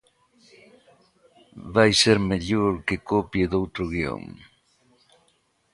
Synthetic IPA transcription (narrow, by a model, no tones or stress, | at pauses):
βajseɾmeʎoɾkekopjed̪owt̪ɾoɣjo̰ŋ